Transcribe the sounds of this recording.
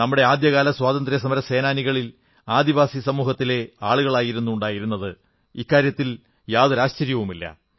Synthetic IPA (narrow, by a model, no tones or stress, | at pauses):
nɐmːuɽe̞aːd̪jɐɣaːlɐswaːd̪ɐnd̪ɾjɐs̬ɐmɐɾɐse̞ːnaːniɣɐɭil | aːd̪iʋaːsisɐmuːhɐt̪ːile̞aːɭuɣɐɭaːjiɾunːuuɳɖaːjiɾunːɐðɨ | ikːaːɾjɐt̪ːil | jaːðuɾaːɕt͡ɕɐɾjɐʋumilːɐ̰